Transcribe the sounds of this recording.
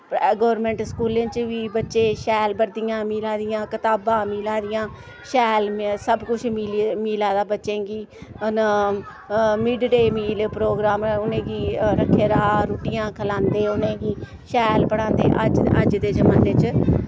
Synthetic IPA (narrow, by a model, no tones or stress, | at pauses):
ɡɔːʋɾmẽːɳʈskuːlẽːnt͡ʃʋiːbətːʃeːʃɛːlbəɾd̪ɪjãːmiːlãːd̪ɪjãːkət̪aːbãːmiːlãːd̪ɪjãː | ʃɛːlmsəbkʊt͡ʃʰmiːlmiːlaːd̪aːbətːʃẽːɡiːn | mɪɖɖeːmiːlpɾoːɡɾaːmʊnẽːɡiːɾəkʰːeːɾaːɾuːʈɪjãːkʰəlãːnd̪eːʊnẽːɦĩː | ʃɛːlpəɽ̃ãːnd̪eːʔəd͡ʒəd͡ʒd̪eːd͡ʒəmaːnːeːt͡ʃ